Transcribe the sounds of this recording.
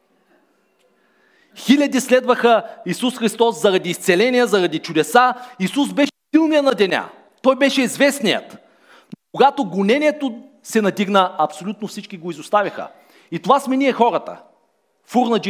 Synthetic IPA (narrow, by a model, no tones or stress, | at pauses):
xilʲɐd̪islɛd̪vəxəisusxɾist̪ɔszɐɾɐd̪iːst̪sɛlɛnijəzɐɾɐd̪it͡ʃud̪ɛsaisuzbɛʃɛsilˠmijənɐd̪ɛnʲa̰ | t̪ɔjbɛʃɛizvɛsnijə̰t̪ | nokoɡat̪oɡʊnɛnʲiɛt̪o | sɛnɐd̪iɡnəɐpsolʲut̪̚nofsit͡ʃkʲiɡoizʊst̪avʲɐxə̰ | it̪ovasmɛniɛxɔɾət̪ə̰ | fuɾnɐd͡ʒi